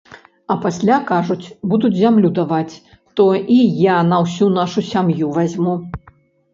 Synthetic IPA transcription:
ɐpasʲlʲakaʐut͡sʲbud̪ud͡zʲzʲamlʲud̪avat͡sʲ | t̪ɔʔijanɐwsʲunaʂusʲamjuvazʲmu

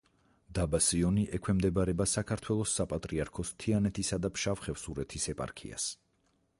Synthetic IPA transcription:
d̪abasiɔniʔɛkʰwɛmd̪ɛbaɾɛbasakʰaɾt̪ʰwɛlˠɔsːapʼat̪ʼɾiaɾkʰɔst̪ʰianɛt̪ʰisad̪apʃafχɛfsuɾɛt̪ʰisɛpʼa̰ɾkʰḭa̰s

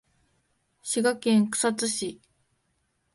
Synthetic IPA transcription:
ɕiɡakẽŋkɯ̟̥sat͡sɨɕi

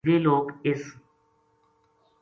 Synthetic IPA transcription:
ʋeːloːkɪs

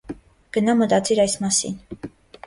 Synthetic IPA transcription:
ɡ̥ənɑmət̪ɑt͡siɾɑjsmɑsḭn

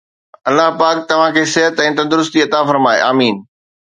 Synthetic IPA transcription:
ɐlːaɦpaːk̚t̪ɐʋ̤ãkʰeːsɪɦət̪ɛ̃ːt̪ɐ̃nd̪ʊɾʊst̪iɐt̪afɐɾmaːḛaːmiːn

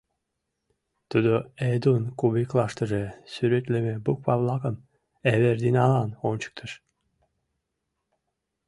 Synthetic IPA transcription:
t̪ud̪oed̪unkuβiklˠɑʂt̪ə̆ʒesyɾet̪lemebuk̚pɑβlˠɑkəm | æβerd̪inɑlɑnont͡ɕə̥k̚t̪ʰəʃ

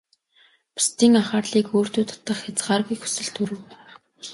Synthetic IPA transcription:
pu̥st̪iːŋaχaːrɮiːkoːr̥t̪uːt̪ʰɔ̥t̪ːə̆χxʲat͡sɢaːrɣujxu̥sɵ̆ɮt̪ʰɵɾɵ̆ːpː

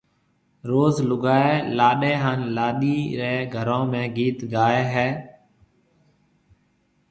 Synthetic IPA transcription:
ɾoːzlʊɡaːeːlaːɗeːɦaːnlaːɗiːɾeːɡʱəɾõːmẽːɡiːt̪ɡaːeːɦɛː

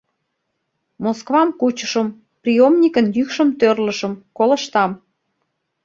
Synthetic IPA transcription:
moskvɑmkut͡ɕəʃəm | prijomnʲikənjykʃə̆mt̪ørlə̆ʃə̆mkolə̆ʃt̪ɑm

